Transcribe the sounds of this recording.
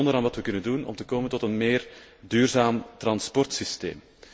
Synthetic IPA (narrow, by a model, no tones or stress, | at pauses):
ndəɾaːnʋɑtʋəkɵnəndunɔ̰mtəkoːməntɔtənmeːrdyːrzaːmt̪rɑnspɔrtsistḛːm